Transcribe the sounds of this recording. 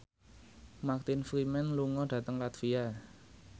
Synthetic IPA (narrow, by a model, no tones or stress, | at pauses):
mak̚t̪infɾimɛnluŋɔɖ̥ä̤t̪əŋlat̪fia